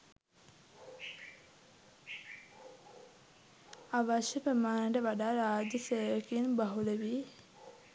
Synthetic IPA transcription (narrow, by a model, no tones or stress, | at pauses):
aʋaʃjəpəmaːnɳɖəʋaɖaːɾaːd͡ʒəseːʋəkinbaɦuleʋi